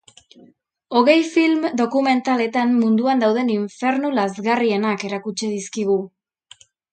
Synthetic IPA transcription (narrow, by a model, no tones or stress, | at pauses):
o̞ɣe̞jfilmd̪o̞kume̞nt̪ale̞t̪anmund̪uand̪awðe̞niɱfe̞ɾnulazɣarie̞nake̞ɾakut͡ʃeðiskiɣ̞u